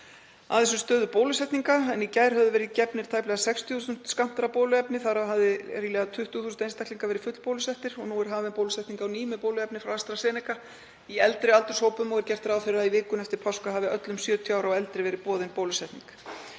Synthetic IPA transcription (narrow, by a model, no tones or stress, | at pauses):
a̰ðθɛs̬ʏst̪œːðʏpoːwlʏsɛht̪niŋkaɛnicaːjɾ̥ɦœvðʏvɛːɾɪðcɛpnɪɾ̥t̪ʰajplɛɣasɛkst̪ʰjst̪ʏm̥t̪skam̥t̪aɾapoːlʏɛpnɪθaɾavɦavðɪɾilɛːɣat̪ʰʏht̪ʏθusʏnejnst̪akliŋkavɛːɾɪfʏt̪l̥powlʏsɛht̪ɪɾ̥ɔɣnuːɛɾ̥ɦaːvɛnpowlʏsɛjht̪niŋkawniːmʏpoːwlʏɛpnɪfɾawast̪ɾasɛːnɛka | iɛlt̪ɾɪalt̪ʏɾ̥shoːwpʏmɔɣɛɾcɛr̥t̪ɾawfθɛɾɪɾaðivɪːkʏmɛft̪ɪɾpʰawskaɦavɪœt̪lʏmsjœːt̪ʰjaːwɾawɛlt̪ɾɪvɛːɾɪpɔːðɪnpoːwlʏsɛjht̪niŋk